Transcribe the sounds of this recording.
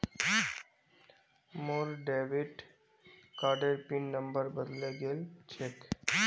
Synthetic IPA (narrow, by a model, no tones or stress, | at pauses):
moːɾɖeːʋiʈ | kaːɾɖeɾpinːə̃mbəɾbəd̪leɡelt͡ʃʰek